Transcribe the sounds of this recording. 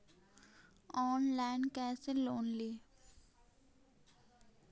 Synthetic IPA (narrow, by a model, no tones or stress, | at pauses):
ɔːnlaɪnkɛːseloːnli